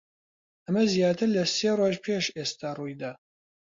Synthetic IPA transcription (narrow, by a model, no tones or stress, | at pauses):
ɐmɐzjaːt̪ʰɨɾlɐseːroːʒpʰeːʃeːst̪aːruːjd̪aː